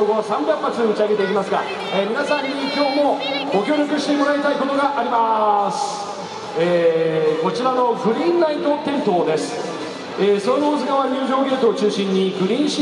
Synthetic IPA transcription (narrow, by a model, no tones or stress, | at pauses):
oɡoβasãmbjãmːat͡sɨd̪omot͡ɕiaɡe̞t̪e̞ik̬ʲimasɨɡa̰ | eːmʲinasãɲ̟ːikʲo̞ːmo̞ɡ̥o̞kʲo̞ːɾʲo̞kɯ̟ɕi̥t̪e̞mo̞ɾait̪aiko̞t̪o̞ɡaʔaɾʲimasɨ̥ | eːko̞t͡ɕiɾano̞ɡɯ̟ɾʲĩnːait̪o̞t̪ẽ̞nt̪o̞ːd̪e̞sɨ̥ | eːsoɾonoːzɨɡaβaɲ̟ɨːʑo̞ːɡe̞ːt̪o̞ːt͡ɕɨːɕĩɲ̟ːiɡɯ̟ɾʲĩːɕi